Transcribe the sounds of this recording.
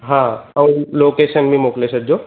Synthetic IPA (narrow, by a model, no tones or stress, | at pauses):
ɦãɐw̃loːkeːsənmĩmoklesəd͡ʒo